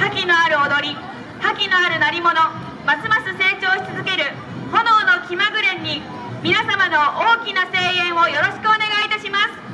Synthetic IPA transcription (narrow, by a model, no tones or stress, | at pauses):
hakʲino̞aɾɯ̟od̪o̞ɾʲi | hakʲino̞aɾɯ̟naɾʲimo̞no̞ | masɨmasɨse̞ːt͡ɕo̞ːɕi̥t͡sɨzɨke̞ɾɯ̟ | ho̞no̞ːno̞kʲimaɡɯ̟ɾẽ̞ɲ̟ːi | mʲinasamano̞ʔoːkʲinase̞ːẽ̞ɰ̃o̞jo̞ɾo̞ɕi̥kɯ̟one̞ɡait̪aɕimasɨ̥